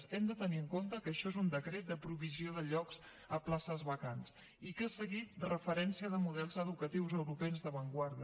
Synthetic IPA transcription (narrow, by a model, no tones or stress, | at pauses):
sɛmd̪ət̪əniəŋkont̪əkəʃɔezund̪əkɾet̪̚d̪əpɾuβizioðəʎɔkz | əplasəzβəkans | ikəsəɣit̪̚rəfəɾɛnsiəðəmuðɛlˠzəðukət̪iwzəwɾupɛnzðəβəŋɡwaɾðə